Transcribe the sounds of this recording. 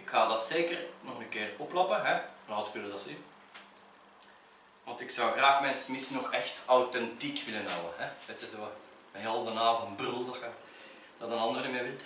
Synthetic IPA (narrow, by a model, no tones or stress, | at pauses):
ɪkxaːdɑtseːkərnɔxənəkɪːrɔplɑpəɦɛnɑtkʏlədɑsin | ʋɑntɪksɔwɣraːxmɛnsəmɪsənɔxɛxtawtɛntikʋɪlənɦɔwənɦɛʋɛtəzow | ɦɛlˠdənaːvɔnbrʏlˠdəxə | d̥ɑtənɑndərnəmeːʋɪlt